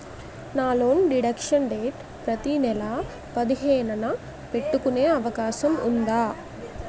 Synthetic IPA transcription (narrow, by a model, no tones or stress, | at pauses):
naːloːnɖiɽɐkʂɐɳɖeːʈ | pɾɐt̪inɛlɐ | pɐd̪iɦɛːnɐnɐ | peʈːukuneːɐʋɐkaːʃɐmund̪aː